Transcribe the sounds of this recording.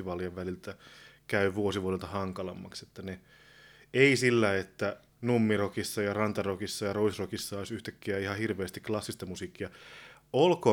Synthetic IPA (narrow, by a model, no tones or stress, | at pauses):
iʋɑljɑʋʋælilt̪ækæyʋuosiʋuodelt̪ɑhɑŋkɑlɑmːɑ̰kset̪ːæne | eisilːæet̪ːæ | numːirokisːɑjɑrɑnt̪ɑrokisːɑjɑroisrokisːɑoisyht̪ækːiæihɑhirʋeːst̪iklɑsːist̪ɑmusiːkːiɑ | olko